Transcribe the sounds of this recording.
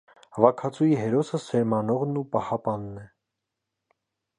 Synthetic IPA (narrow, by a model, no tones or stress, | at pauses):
hɑvɑkʰɑt͡sʰujiɦɛɾɔsəsɛɾmɑnɔʁnupɑhɑpɑnːɛ